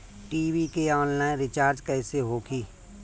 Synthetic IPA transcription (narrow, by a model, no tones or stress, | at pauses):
ʈiːʋikeɔːnlaːɪ̃nɾɪt͡ʃaːɾd͡ʒkɛːseɦoːɡiː